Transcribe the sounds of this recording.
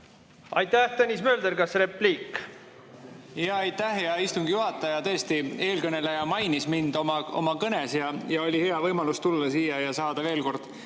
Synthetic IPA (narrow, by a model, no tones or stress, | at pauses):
ɑ̰jt̪ːˑæht̪enʲismøːld̪eɾkɑsre̞pːliːkː | jɑɑjt̪ːˑæhjɑist̪uŋɡ̥juɦɑt̪ːˑɑjɑt̪ɤ̞est̪ie̞ːlkɤne̞lejɑmɑjnismind̪o̞mɑo̞mɑkɤne̞sjɑjɑo̞lʲihe̞ɑvɤjmɑlust̪ulːɑsiːjɑjɑsɑːd̪̥ɑve̞ːlko̞rd̪̥